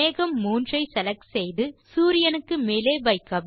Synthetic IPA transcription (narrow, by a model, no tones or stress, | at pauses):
eːɣɐmːuːndrɐɪsɛlɐkːsɛjðɯsuːɾɪjɐnɯkːɯmeːleːʋɐɪkːɐb